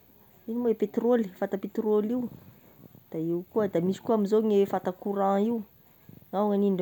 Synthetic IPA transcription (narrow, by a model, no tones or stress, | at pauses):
inimaepet̪rolifat̪apet̪roliw | d̪̥aiwkuəd̪amisi̥kuaminzoŋefat̪akuɾãiw | ŋawŋaniɳɖ͡ʐ